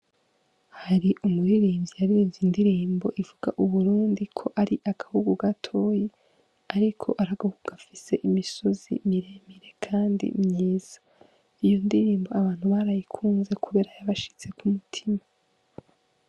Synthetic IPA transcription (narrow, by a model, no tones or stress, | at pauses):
haɾiʔumuɾiɾiːmjijaβiiːɱvzindiɾiːmbo̞̰ʔivuɡ̥a̰ʔuβuɾuːndikʰo̞ʔaɾiʔaɡ̥ahuɡuɡatʰo̞ːje | aɾikʰo̞ʔaɾaɡ̥ahuɡuɡ̥afise̞ʔimiso̞zḭmiɾemiɾe̞kʰaːndḭmɲiːz̥a | ijo̞ndiɾiːmbo̞aβaːn̥huβaɾajikʰuːnze̞kʰuβe̞ːɾajaβaʃi̥t͡se̞kumutʰima